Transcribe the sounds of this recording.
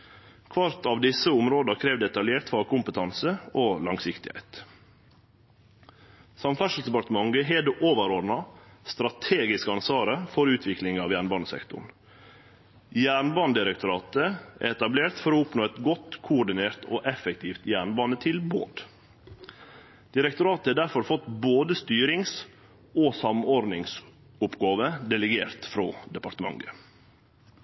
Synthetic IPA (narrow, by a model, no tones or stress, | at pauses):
kʰʋɑɾt̪ɑʋd̪ɪsəʊmɾoːd̪əkʰɾeːʋd̪ɛt̪ɑljeːɾt̪fɑɾkʰʊmpət̪ʰɑnsəoːlɑŋsɪkt̪ɪhæ̰ɪt̪ | sɑmfæʂl̩sd̪ɛpɑɾt̪əmɑŋɡəɦeːd̪ʉʔoːʋəɾɔɖnɑst̪ɾɑt̪ʰeːɡɪskəɑnsʋɑːɾəfɔɾʉːt̪ʰʋɪklɪŋɑːʋjæːɳbɑːnəsɛ̰kt̪ʊ̰ɳ | jæːɳbɑːnd̪ɪɾəkt̪ʰʊɾɑːt̪əæ̰ɛt̪ɑbleːɾt̪fɔɾɔʊpnoːɛt̪ɡɔt̪kʰʊʊɖɪneːɾt̪oːʔɛfɛkt̪ʰiːft̪jæːɳbɑːnət̪ʰɪlbo̰ːd̪ | d̪̥ɪɾɛkt̪ʊɾɑːt̪əhɛːd̪æɾfɔɾfɔt̪boːd̪əst̪yːɾɪŋs | oːsɑmɔɾnɪŋs | ʊpɡɑːʋəd̪ɛləɡeːɾt̪fɾo̰ːd̪ɛpɑɾt̪əmɑ̰ŋɡə